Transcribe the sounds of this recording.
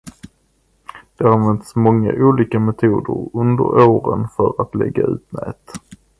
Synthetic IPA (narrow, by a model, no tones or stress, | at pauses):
d̪̥ɛanvɛnt̪smɔŋːaʔuːliːkamɛt̪ʰuːd̪əɾɵnd̪əɾoːɾənfœɾat̪lɛ̰ɡːaʉ̟ːt̪nɛːt̪